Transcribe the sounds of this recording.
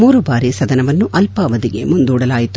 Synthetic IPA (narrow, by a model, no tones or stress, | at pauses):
muːɾubaːɾisɐd̪ɐnɐʋɐnːuʔɐlpɐʋɐd̪iɡe̞̰mund̪uːɽɐlaːjit̪u